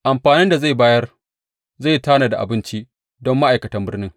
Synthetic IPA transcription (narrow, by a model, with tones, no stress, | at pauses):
ʔa˨mɸaː˨nɪ˦nda˨za˦˨baː˦jɐ˦r | za˦˨jtaː˦naː˨da˨ʔa̰˨bɪ˦nt͡ʃi˦ | dɔ˦mːa˦ʔa˨jkɐ˨tɐ˦mbɪ˦rnɪ˦ŋ